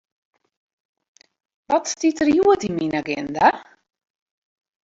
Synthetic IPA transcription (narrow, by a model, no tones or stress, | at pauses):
ʋɔtstitərjuətiminaɡɪ̰nda